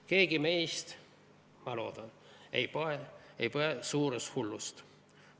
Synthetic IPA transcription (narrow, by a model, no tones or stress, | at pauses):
ke̞ːɡime̞jst̪ | mɑlo̞̰ːd̪̥ɑn | ḛjpoeḛjpoesuːɾest̪hulːust̪